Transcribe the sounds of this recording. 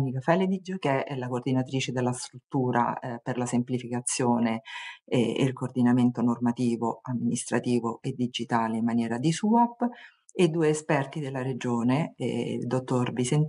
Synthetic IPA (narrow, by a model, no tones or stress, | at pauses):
nikafɛled̪id͡ʒok̟eɛɛlakoːrd̪inat̪ɾiːt͡ʃed̪elːast̪ɾut̪ːuːɾʔa̰perlasemplifikat̪sːjoːne | ḭlkoːrd̪inament̪onormat̪iːvoamːinist̪ɾat̪iːvoed̪ːid͡ʒit̪aːleimːanjɛːɾad̪isuapː | ed̪uːeːspɛrt̪id̪elːaɾed͡ʒoːnḛd̪ot̪ːorbisen